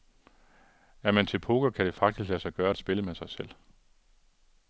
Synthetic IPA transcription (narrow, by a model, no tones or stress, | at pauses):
æɐmænt͡sʰe̝lpʰoɡ̥ɐkʰæɾ̥e̝fɑ̈ɡ̥̚d̥isɡ̥læsɑ̈ɪɡ̥ɶːɐed̥sb̥e̝ləmesɑ̈ɪsel̰